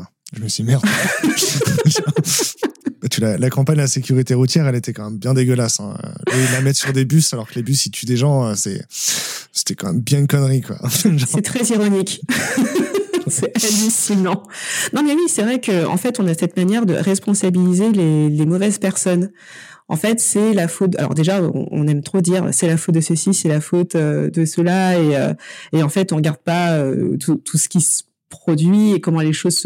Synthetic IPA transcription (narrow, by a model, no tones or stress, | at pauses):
ɛ̃ʒəməsɥimɛʁd̪ | ʒ | ɛt̪ylalakɑ̃paɲlasekʲyʁit̪eʁut̪jɛʁɛlet̪ɛkɑ̃mɛmbjɛ̃d̪eɡʲəlasɛ̰̃ø̰lailːamɛt̪syʁd̪ebysalɔʁkəlebysit̪ʰyd̪eʒɑ̃øsɛ̰ | se̥t̪ɛkɑ̃mɛmbjɛ̃nkɔnʁikwa̰fɛʒsɛt̪χɛziʁɔnik | sɛalysinɑ̃nɔ̃mɛwisɛvʁɛkəɑ̰̃fɛt̪ɔ̃nasɛt̪manjɛʁd̪ə̰ʁɛspɔ̃sabilizelelemɔvɛzpɛʁsɔn | ɑ̰̃fɛt̪sɛlafot̪̚a̰lɔ̰ʁd̪eʒaɔ̰̃ɔ̰̃nɛmt̪χod̪iʁ̰sɛlafot̪̚d̪əsəsisɛlafot̪ød̪əsəlaeø̰eɑ̃fɛt̪ɔ̃ʁəɡaʁd̪̚paø̰t̪ʰut̪ʰusə̥kʲisə̥ | pχɔd̪ɥiekɔmɑ̃leʃozs